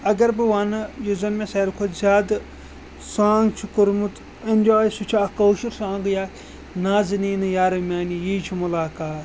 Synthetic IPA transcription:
ɐɡɐɾbɨʋaːnɨjuzɐnmẽsɐːɾkʰozʲaːd̪ | sãːŋɡt͡ʃʰukuɾmut̪ | enʲd͡ʒoːjsut͡ʃʰaːkoːʃiɾsãːŋɡjaː | naːzɨniːnɨjaːɾɐmʲaːnijiːt͡ʃʰimʊlaːkaːt̪

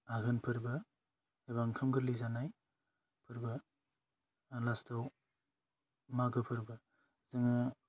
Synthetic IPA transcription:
aɡɯnpʰɯɾbɯ | eβaŋkʰɯmɡɯɾlizanaj | pʰɯɾbɯ | lastʰaw | maɡɯpʰɯɾbɯ | zɯŋɯ

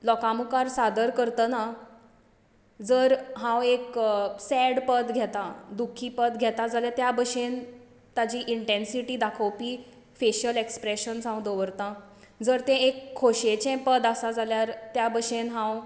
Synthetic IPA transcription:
lɔkamukaɾsad̪əɾkəɾt̪əna | d͡zəɾɦãweksɛɽpəd̪ɡʱɛt̪ãd̪ukʰːiːpəd̪ɡʱɛt̪ad͡zaljat̪jabəɕen | t̪at͡ɕiːʔiɳʈensiʈiːd̪akʰəwpiː | feɕəlekspɾeɕənsãwd̪oʋəɾt̪ã | d͡zəɾt̪ɛ̃ekʰːoɕet͡ɕɛ̃pəd̪asad͡zaljaɾt̪jabəɕenɦãw

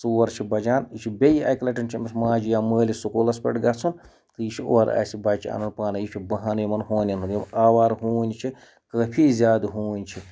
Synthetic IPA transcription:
suːɐɾt͡ʃʰibɐd͡ʒaːnit͡ʃʰibʲejɐ̰jklɐʈɐnʲt͡ʃʰimɐsmaːd͡ʒijaːməːlisukolɐspʲḛʈɡɐt͡sʰun | t̪ɨjit͡ʃʰioːɾa̰ːsibɐt͡ʃa̰ːnɐnpaːnɐjit͡ʃʲʰibɐɦaːnjimɐnɦoːnʲɐnujimaːʋaːɾɦuːnʲit͡ʃʰi | kəpʰizʲaːd̪ɦuːnʲt͡ʃʰi

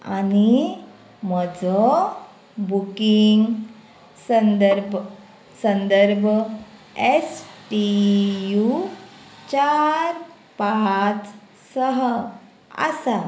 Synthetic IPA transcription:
a̰ni | məd͡zɔ | bukiŋɡ | sənd̪əɾbʱ | sənd̪əɾbʱ | esʈiju | t͡ɕaɾ | paɦat͡s | səɦ | a̰sa

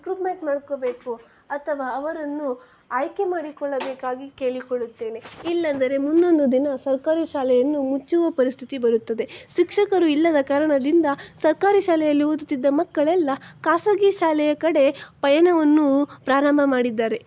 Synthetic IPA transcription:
kɾupmeɳʈmaːɽko̞ːbe̞ːku | ɐt̪ʰɐʋaːɐʋɐɾɐnːu | aːjke̞maːɽikɔɭːɐbeːkaːɡike̞ːɭikoɭut̪ːe̞ːne̞ilːɐnd̪ɐɾe̞mund̪o̞nd̪ud̪inɐsɐɾkaːɾiʃaːlɛjɐnːumut͡ʃːuʋɐpɐɾist̪ʰi̥t̪ibɐɾut̪ːɐd̪e̞ʃikʂɐkɐɾuilːɐd̪ɐkaːɾɐɳɐd̪ind̪ɐsɐɾkaːɾiʃaːlɛjɐlːiud̪ut̪id̪ːɐmɐkːɐɭɛlːɐkaːsɐɡiʃaːlɛjɐkɐɽe̞pɐjɐnɐʋɐnːupɾaːɾɐmbʱɐmaːɽid̪ːaːɾe̞

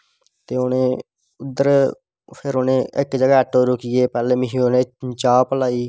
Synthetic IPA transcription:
t̪eːonẽː | ʊd̪əɾ | pʰɪɾoːnẽːʔɪkd͡ʒəɡaːʈːoːɾokɪjeːpɛːleːmɪɦioneːt͡ʃaːpəlaːiː

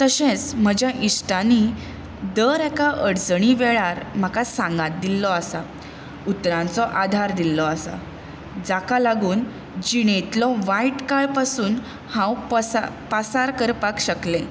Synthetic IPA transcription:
t̪əɕẽt͡sm̤əd͡ʑjaʔisʈani | d̪əɾɛkaʔəɽd͡zɳ̃iʋɛɭaɾm̤akasãŋɡãt̪̚d̪ilːɔasa | ut̪ɾãnt͡sɔʔad̪ʱaɾd̪ilːɔasa̰ | d͡zakalaɡuːn | d͡ʑiɳet̪lɔʋaiʈkaɭpasuːn | hãwppəsaɾkəɾpakɕəklẽ

